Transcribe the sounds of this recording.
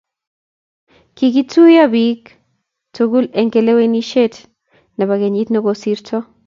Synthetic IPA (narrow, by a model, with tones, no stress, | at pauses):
kiɡi˦t͡su˦ja˦bik | t͡soɡu˦le˨ŋɡe˨le˦we˦ni˦ʃe˦t̪ | na˨βaɣe˨ɲi˦t̪no˧ɡosiɾto˦